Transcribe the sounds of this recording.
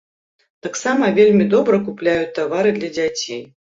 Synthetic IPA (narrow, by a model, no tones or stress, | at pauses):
t̪aksamɐvʲelʲmʲid̪ɔbɾɐkuplʲajut͡sʲt̪avaɾɨd̪lʲɐd͡zʲat͡sʲḛj